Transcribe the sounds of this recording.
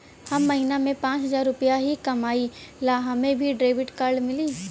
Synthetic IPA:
hɐmːɐɦiːnamẽpãːt͡ʃɦɐzaːɾːʊpəjaɦikɐmaːilaːɦamẽbʱiɖɾeːʋɪʈkaɾɖmɪliː

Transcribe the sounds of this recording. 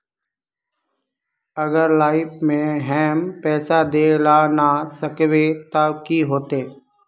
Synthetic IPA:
əɡəɾlaːɪpmẽɦɛːmpɛːsad̪eːlaːnasəkʋet̪akiɦoːt̪eː

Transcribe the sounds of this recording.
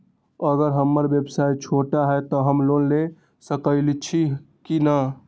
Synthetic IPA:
əɡəɾɦəmːəɾbjəbsajt͡ʃʰoʈaɦɛt̪ɔɦəmlonle | səkəɪlit͡ʃʰi | kinə

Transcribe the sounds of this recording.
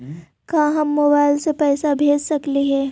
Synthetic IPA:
kaːɦɐmːoːbaːɪlsepɛːsabʱeːd͡ʒsɐkliɦɛː

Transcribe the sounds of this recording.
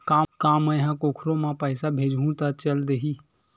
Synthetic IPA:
kaːkaːməjɦãkoːkʰɾõmãpəɪsabʱeːd͡ʒũt̪at͡ʃəld̪eɦiː

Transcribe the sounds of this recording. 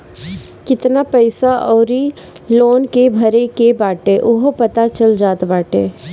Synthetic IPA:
kɪt̪napɛɪsaʔɔːɾi | loːnkebʱɐɾekebaːʈeʔʊɦopɐt̪at͡ʃəld͡ʒaːt̪baːʈeː

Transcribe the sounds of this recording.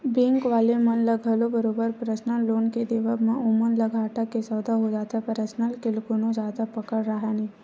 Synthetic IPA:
bɪ̃ŋkʋaːlemənləɡʱəlobəɾoːbəɾpɾəsnəlːoːnked̪eʋəmẽʔʊmənlɐɡʱaːʈakesəːd̪ʱaɦod͡ʒaːt̪apəɾəsnəlkɪlkʊnõd͡ʒaːd̪apɐkəɽɾəɦaniː

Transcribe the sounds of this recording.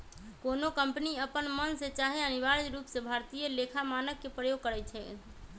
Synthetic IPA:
konokəmpniəpənmənset͡ʃaɦeəniʋaɾd͡ʒɾuːpsebʱaɾt̪ijəlekʰamanəkːepɾəjoɡ̚kəɾɛt͡ʃʰɛ

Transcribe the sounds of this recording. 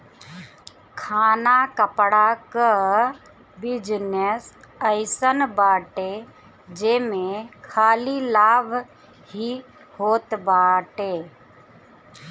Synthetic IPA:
kʰaːnakəpɽakə | bɪd͡ʒnesəɪsənbaːʈe | d͡ʒeːmẽkʰaːlilaːbʱ | hi | hoːt̪baːʈeː

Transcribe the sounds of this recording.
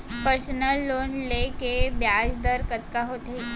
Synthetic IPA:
pəɾsənəlːonlekebjad͡ʑd̪əɾkət̪kaɦot̪e

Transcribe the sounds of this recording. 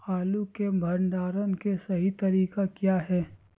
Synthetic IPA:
xaːlukebʱɐɾɳɖaːɾənkesɐɦit̪ɐɾiːkakjaːɦɛː

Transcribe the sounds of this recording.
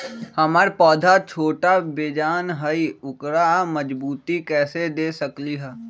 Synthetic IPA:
hɐmaɾpɔːd̪ʱat͡ʃʰoːʈabeːd͡ʒaːnɦɐiʊkɾamɐd͡ʒbuːt̪ikɛːsed̪eːsɐkliɦɛː

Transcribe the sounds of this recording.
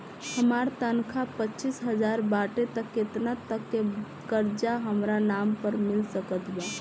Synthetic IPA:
həmaɾt̪ənkʰapəːt͡ʃisɦəd͡ʒaɾbaʈet̪əkːet̪nat̪əkːe | kəɾd͡ʒaɦəmɾanampəɾmilsəkət̪ba

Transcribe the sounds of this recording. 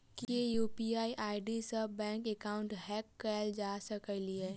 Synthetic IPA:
kijejuːpiaːiʔaːɪɖisəbɛ̃ːŋkekaːʊ̃ɳʈɦɛːkːɛld͡ʒaːsəkəliɛː

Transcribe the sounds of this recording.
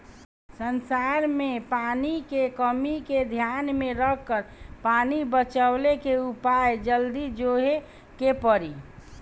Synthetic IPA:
sənsaɾmẽpaːnikekəmiked̪ʱjanmẽɾəkːəɾpaːnibət͡ʃəlekeupaed͡ʒəld̪id͡ʒoɦe | kepəɾi

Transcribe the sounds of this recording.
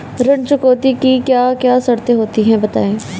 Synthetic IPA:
ɾəɳt͡ʃʊkoːt̪iːkikjaːkjaːsəɾt̪eɦoːt̪iɦɛ̃ːbət̪a̰ːẽː

